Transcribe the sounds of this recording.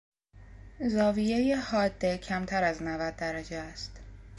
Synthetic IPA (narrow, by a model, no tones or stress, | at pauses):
zɒːvije̞jehɒːd̪ːe̞cʰæmt̪ʰæɾæznævæd̪̚ːæɾæd͡ʒeæst̪